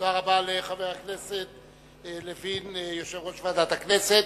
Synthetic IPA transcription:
odaʁabaleχaveʁakne̞se̞t̪̚ | levinjo̞ʃevʁo̞ʃvaːd̪at̪hakne̞se̞t̪

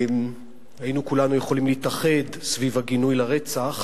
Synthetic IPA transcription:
m | hajinukulanujeχo̞limliːtaχe̞dsvivaɡinujlaʁet͡saχ

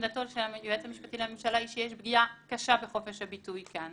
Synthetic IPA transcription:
datolʃeajuetamiʃpatileamemʃalaiʃejeɛʃbɡiakaʃabeχo̞fe̞ʃhabitujkan

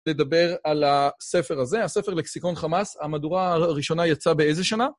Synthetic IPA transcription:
le̞dabe̞ʁalase̞fe̞ʁaze̞ase̞fe̞ʁleksiko̞nχamasamaduʁaːʁiʃo̞najat͡sabe̞eze̞ʃana

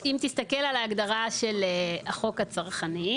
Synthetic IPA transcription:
imt̪ist̪akelalaːɡd̪aʁaʃeleaχo̞kat͡saʁχani

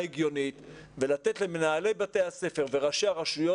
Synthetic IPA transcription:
eɡjo̞nit̪ve̞lat̪e̞tle̞menaːlejbat̪e̞jase̞fe̞ʁve̞ʁaʃeaʁaʃujo

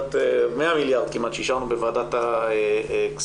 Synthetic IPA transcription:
t̪emeamiljaʁd̪̚kimʔat̪ʃeiʃaʁnubevaaːd̪at̪a | ks

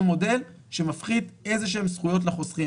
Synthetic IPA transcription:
mo̞de̞l | ʃemafχid̪e̞zeʃ̬eemsχujo̞t̬leχo̞sʁi

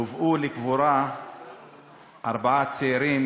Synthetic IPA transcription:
uvʔulikvuɾa | ʔaɾbaat͡seiɾim

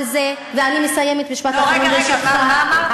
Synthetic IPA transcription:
ze | veanimesaje̞met̪miʃpat̪hatanuveʃaχa

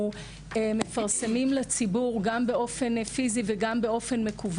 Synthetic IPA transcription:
eme̞faʁsemimlet͡sibuʁɡambe̞o̞fe̞nfiziveɡambeo̞fe̞nme̞kʰuv

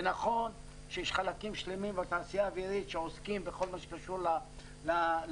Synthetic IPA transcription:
naχon | ʃeʃχalakimʃlimimbat̪asiabiɾit̪ʃaoskimbexolmaʃkaʃuɾla | la

